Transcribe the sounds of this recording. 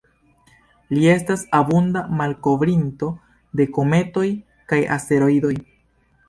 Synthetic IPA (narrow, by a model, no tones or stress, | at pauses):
lie̞stasabundamalko̞vɾinto̞ | de̞ko̞me̞to̞j | kaja̰se̞ɾo̞ido̞j